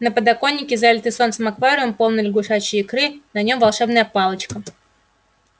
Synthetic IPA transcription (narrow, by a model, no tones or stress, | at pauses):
nəpəd̪ɐko̞nʲːɪkʲɪzalʲɪt̪ɨso̞nt̪səmɐkvaɾʲɪvəmpo̞lˠnɪlʲɪɡʊʂat͡ɕɪːkɾɨnɐnʲo̞mvɐlˠʂɛbnəjəpalˠət͡ɕkə